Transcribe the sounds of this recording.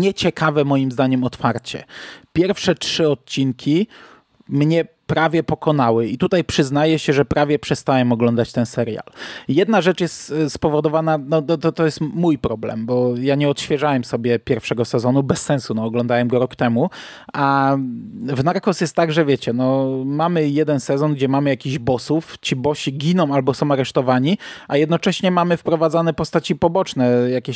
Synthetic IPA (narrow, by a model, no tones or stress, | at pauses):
ɲɛt͡ɕɛkavɛmɔjimzd̪aɲɛmɔt̪faɾt͡ɕɛ̰pʲjɛɾfʂɛtʂɘɔt̪̚t͡ɕinkʲʰi | mɲɛ | pɾavʲjɛpɔkɔn̪awɘit̪ut̪ajpʂɘznajɛɕɛʐɛpɾʔavʲjɛpʂɛst̪awɛmɔɡlɔnd̪at͡ɕt̪ɛnsɛɾja̰ljɛd̪naʐɛt͡ʂjɛst̪spɔvɔd̪ɔvananɔnɔt̪ɔt̪ɔjɛst̪mujpɾɔblɛ̰mbɔjaɲɛɔt̪ɕfʲjɛʐawɛmsɔbʲjɛpʲjɛɾfʂɛɡɔsɛzɔnubɛsːɛ̃nsunɔːɡlɔnd̪awɛmɡɔɾɔkt̪ɛmu | a | vnaɾkɔsjɛst̪ːaɡʐɛvʲjɛt͡ɕɛnɔmamɘjɛd̪ɛnsɛzɔnɡd͡ʑɛmamɘjakʲiʑbɔsuft͡ɕibɔɕiɡʲinɔ̃w̃albɔsɔ̃w̃aɾɛʂt̪ɔvaɲiʔajɛd̪nɔt͡ʂɛɕɲɛmamɘfpɾɔvad̪zanɛpɔst̪at͡ɕipɔbɔt͡ʂnɛjakʲɛɕ